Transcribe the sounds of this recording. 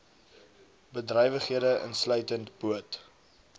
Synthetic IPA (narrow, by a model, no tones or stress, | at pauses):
bədrœjvəχiədəʔə̰nslœɥtəntbuət